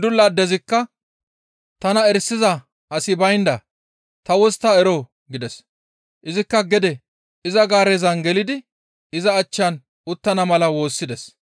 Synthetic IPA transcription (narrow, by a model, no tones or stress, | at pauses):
d̪ʊlːad̪ɛzɪkːɐ | t̪ɐnɐɛɾsːɪzɐ | ɐsɪbɐjnd̪ɐ | t̪ɐwɔst̪ːaɛɾoː | ɡɪd̪ɛs | ʔɪzɪkːɐɡɛd̪ɛ | ɪzɐɡaːɾɛzɐnɡɛlɪd̪ɪ | ɪzɐːt͡ʃːɐn | ʊt̪ːɐnɐmɐlɐwo̞ːsːɪd̪ɛs